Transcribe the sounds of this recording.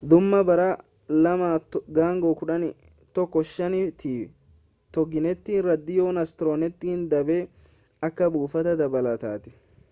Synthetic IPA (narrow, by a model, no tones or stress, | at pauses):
d̪ʊmːɐbɐɾaː | lɐmaːtɡaːŋɡoːkʊᶑɐnɪ | t̪ːɔkːɔʃːɐnɪt̪iː | t̪ɔɡɪnɛt̪ːiːnɾɐd̪ːɪjoːnɐst̪ɪɾoːnɛt̪ːihɪnd̪ɐbeː | ɐkːɐbuːfɐt̪ɐd̪ɐbɐlɐt̪aːt̪ɪ̥